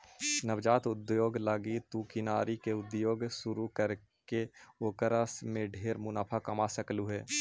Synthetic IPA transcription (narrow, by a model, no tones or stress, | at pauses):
nəʋd͡ʒaːt̪ʊd̪joːɡlaːɡit̪ukɪnaːɾikeʊd̪joːɡsʊɾukəɾ | keoːkəɾəsmẽɖʱeːɾmʊnaːpʰakɐmasəkluɦɛː